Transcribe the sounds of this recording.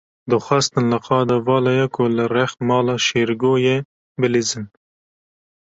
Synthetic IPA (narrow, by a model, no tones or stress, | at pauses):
d̪ɨxʷɑst̪ɨnlɨqʰɑːd̪ɑvɑːlɑjɛkʰʊlɨrɛxmɑːlɑːʃeːɾɡoːje | bɨlizɨn